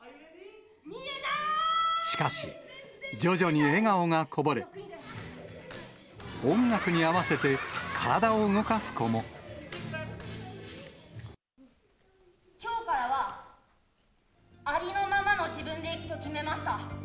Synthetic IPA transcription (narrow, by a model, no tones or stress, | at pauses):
ɕi̥kaɕid͡ʑo̞ʑo̞ɲ̟ie̞ɡaoŋakʰo̞bo̞ɾe | õ̞ŋɡakɯ̟ɲ̟iaβase̞t̪e̞kʰaɾad̪aoɯŋo̞kasɨ̥ko̞mo | kʲo̞ːkaɾaβa | aɾʲino̞mamano̞d͡ʑibɯ̟̃nd̪e̞ikɯ̟̥t̪o̞kʲime̞maɕi̥t̪a